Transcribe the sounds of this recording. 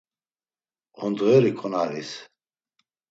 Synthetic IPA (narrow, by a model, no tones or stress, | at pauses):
ɔnd̪ʁɛɾikʰʼɔnaɾḭs